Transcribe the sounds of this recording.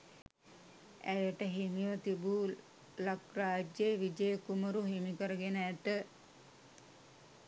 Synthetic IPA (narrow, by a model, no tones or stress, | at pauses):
æjəʈəɦimiʋət̪ibu | lakraːd͡ʒjeʋid͡ʒəjəkuməɾuɦimikəɾəɡenəæt̪ə